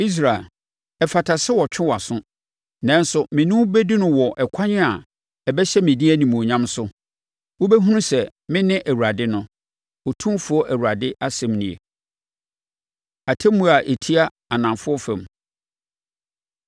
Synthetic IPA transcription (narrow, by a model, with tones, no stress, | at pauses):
i˦s̬ɾa˨e˨l | ɛ˨fa˨tʰa˨sɪ˦wɔ˨t͡ɕᶣʰɪ̃˦wa˨sʊ̃˦ | nã˨n̩˦sʊ˨mɪ̃˨nʊ̃˦bɛ˦di˦nʊ̃˦wɔ˨ʔɛ˨kʷʰa˦ɲɪ̃˦a˨ | ɛ˨bɛ˦ɕɛ˦mɪ̃˨dĩ˦æ˦nĩ˨m̃˨ɔ˨ɲã˦msʊ˦ | wo˦bɛ˦ɦũ˦nʊ̃˦sɛ˨mɪ̃˦nɪ̃˦ʔæ˨wu˨ɾa˨dɪ˦nʊ̃˦ | ɔ˨tʰũ˦fʊ˦ɔ˦ʔæ˨wu˨ɾa˨dɪ˦ʔa˦sɛ̃˨mnɪ̃˨ḛ˨ | a˨tʰɛ̃˦mːũ˦a˨ʔe˨tʰi˦a˦ | a˨nã˨fʊ˦ɔ˦fɛ̃˨m